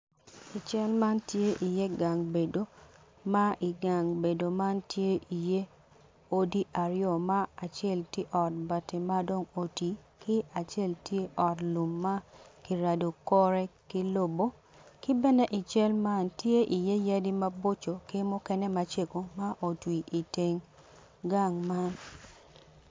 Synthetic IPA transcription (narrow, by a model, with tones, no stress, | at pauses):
i˨t͡ʃɛ˦lma˦ntje˦ʔi˨je˦ɡa˨ŋbe˨do˨ | ma˦ʔi˨ɡa˨ŋbe˨do˨ma˦ntje˦ʔi˨je˦ | o˦di˦ʔa˨ɾɪo˨ma˦a˨t͡ʃɛ˦˨lte˦ʔɔ˨t̚ba˨tɪ˨ma˦do˦ŋo˨ti˨kɪ˦a˨t͡ʃe˦˨ltje˦ʔɔ˨tlu˨mːa˦ki˨ɾa˨do˨kɔ˦ɾɛ˦kɪ˦lo˦˨bo˦ | kɪ˦bɛ˦nɛ˦ʔɪ˨t͡ʃɛ˦lma˦ntje˦ʔi˨je˦ja˦di˦ma˦bo˦t͡ʃo˨kɪ˦mʊ˦kɛ˦nɛ˦ma˦t͡ʃe˦ko˨ma˦ʔo˨twi˨ʔi˨te˨ŋ | ɡa˦˨ŋma˦n